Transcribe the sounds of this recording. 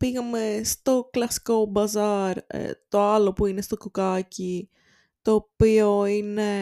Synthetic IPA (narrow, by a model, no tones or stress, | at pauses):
piɣɐmest̪oklɐskobɐzɐɾ̰t̪oɐlopuinest̪okukaci | t̪oːpioine